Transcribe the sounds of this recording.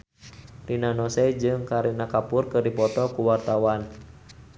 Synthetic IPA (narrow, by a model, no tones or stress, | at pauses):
rinanɔsɛd͡ʒɨŋkaɾinakapʊrkɨrdipɔt̪ɔkuwart̪awan